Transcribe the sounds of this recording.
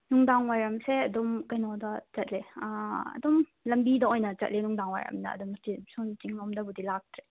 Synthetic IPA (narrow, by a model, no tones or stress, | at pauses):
nuŋdaŋwajɾɐmseɐdɔmkɐjnɔdɐt͡ʃɐt̚leaɐ̰dɔmlɐmbidɐɔjnɐt͡ʃɐ̰t̚lenuŋdaŋwa̰jɾɐ̰mnɐ̰ːdɔmtisuntiŋnɔmdɐbudilak̚tɾe